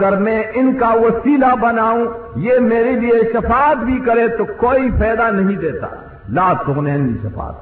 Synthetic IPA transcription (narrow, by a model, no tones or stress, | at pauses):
ɡəɾmɛ̃ːʔɪnkaʋɐsiːlabɐnaːũ | jeːmeːɾelieʃɐfaːt̪bʱikɐɾẽt̪okoːipɛːd̪anɐɦĩd̪eːt̪a̰ | laːt̪ʊɣnɛːnḭʃɐfa̰ːt̪̚